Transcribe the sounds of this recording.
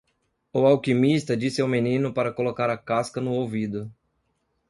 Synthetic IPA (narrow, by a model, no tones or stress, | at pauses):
ʊawkimist̪ɐd͡ʒisɪawmenĩnʊpaɾɐkolokaɾɐkaskɐnʊowvid̪ʊ